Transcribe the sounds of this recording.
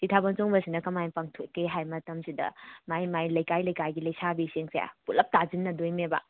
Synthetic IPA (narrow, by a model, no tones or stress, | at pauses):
itʰabɐnt͡ʃoŋbɐsinɐkɐmajpaŋtʰokːeɦajmɐtɐmsidɐ̰majmajlɐjkajlɐjkajɡilɐjsabiseŋseja̰pulɐp̚tazinːɐdojmebɐ̰